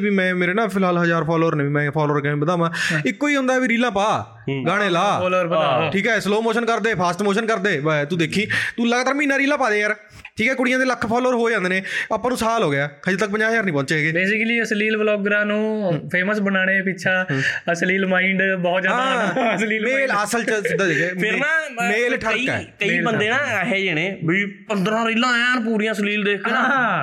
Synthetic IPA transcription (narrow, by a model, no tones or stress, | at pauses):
biːmɛ̃ːmeːɾeːnãːpʰɪlɦaːlɦəzaːɾpʰɔːloːɾneːbiːmɛ̃ːpʰɔːloːɾkɛẽːbəd̪aːʋãːɪkːoːiːɦʊ̃nd̪aːbiːɾiːlãːpaː | ɡaːɽ̃eːlaːloːɾaʈʰiːkɦɛːsloːmoːʃənkəɾd̪eːpʰaːsʈmoːʃənkəɾd̪eːt̪ũːd̪eːkʰiːt̪uːləɡt̪aɾmĩːnːãːɾiːlãːpaːd̪eːjəɾ | ʈʰiːkɛːkʊɽɪjãːd̪eːləkʰːpʰɔːloːɾɦoːed͡ʒãːnd̪eːneːaːpːãːnũːsaːlɦoːɡɪjaːkʰəet̪ək̚pəɲd͡ʒaːjəɾnĩːpɔ̃ːɲt͡ʃeːɡeːbeːsɪkəliːəsliːlʋəlɔːɡɾãːnũːpʰeːməsbənaːɽ̃eːpɪtːt͡ʃʰaːəsliːlmãːɪɳɖbɔːt̪zjaːad̪asliːmeːləsəlt͡ʃəsɪd̪aːd̪eːkeːɪɾãːmeːlʈʰəɾikːɛ̰ːkəiːbənd̪eːnaːɦɛːd͡ʒeːɽ̃eːbipənd̪ɾãːɾiːlãːaːnp̬uːɾijãːsəliːld̪eːkʰa